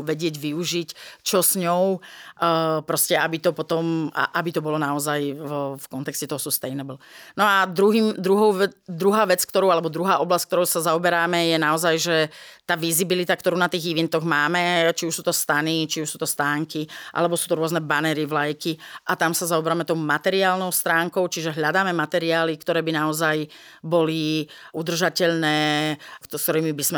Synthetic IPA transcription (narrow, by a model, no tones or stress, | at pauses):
ʋɛɟɪɛɟʋiuʒict͡ʃɔsɲɔʊ | pɾɔscɛabit̪ɔpɔt̪ɔma̰ʔabit̪ɔbɔlɔnaɔzajfkɔnt̪ɛkscɛt̪ɔɦɔsust̪ɛjnɛbl̩nɔad̪ɾuɦiːmd̪ɾuɦɔʊɛd̪ɾuɦaːʋɛt͡skt̪ɔɾɔʊalɛbɔd̪ɾuɦaːʔɔblasck̚t̪ɔɾɔʊsazaɔbɛɾaːmɛjɛnaɔzajʒɛt̪aːʋizibilit̪akt̪ɔɾuːnat̪iːɣiʋɛnt̪ɔɣmaːmɛt͡ʃiuʃsuːt̪ɔst̪anit͡ʃiuʃsuːt̪ɔst̪aːŋkiʔa̰lɛbɔsuːt̪ɔɾʊɔznɛbanɛɾiʋlajkiʔat̪amsazaɔbɛɾaːmɛt̪ɔʊmat̪ɛɾiaːlnɔʊst̪ɾaːŋkɔʊt͡ʃiʒɛɦʎad̪aːmɛmat̪ɛɾiaːlikt̪ɔɾɛːbinaɔzaj | bɔli | ud̪r̩ʒacɛʎnɛː | skt̪ɔɾiːmibizmɛ